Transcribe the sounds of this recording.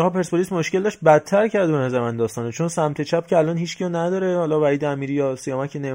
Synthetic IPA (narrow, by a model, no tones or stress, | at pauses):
hɒːpʰe̞ɾsbolismoʃkʲe̞ld̪ɒːʃt̚bæt̪ʰːæɾcʰæɾd̪eenæzæɾmænd̪d̪ɒːst̪ɒːnet͡ʃʰonsæmt̪ʰe̞t͡ʃʰæp̚cʰʲeælɒːnhiːt͡ʃʰcʰiɒnæd̪ɒːɾehɒːlɒːvæiːd̪eæmiːɾijɒːsijɒːmæcʰene